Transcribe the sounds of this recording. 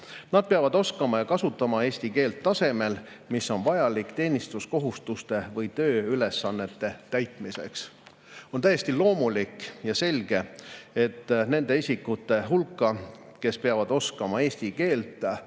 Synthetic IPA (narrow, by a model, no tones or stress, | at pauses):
nɑd̪̥̚peɑvɑd̪o̞skɑmɑjɑkɑsut̪ːˑɑmɑe̞ːsʲt̪ike̞ːlt̪ːɑse̞me̞l | misːo̞nvɑjɑlikt̪e̞ːnʲist̪usko̞ɦust̪ust̪e̞vɤjt̪ø̞ːyle̞sːɑnːe̞t̪ːe̞t̪æjt̪ˑmise̞̰ks | o̞nt̪æjest̪ilo̞ːmulikːjɑse̞lʲɡ̥e̞e̞t̪ːne̞nd̪̥e̞isʲikːut̪ːˑe̞ɦulkːˑɑke̞speɑvɑd̪̥o̞skɑmɑe̞ːsʲt̪ike̞ːlt̪ːˑ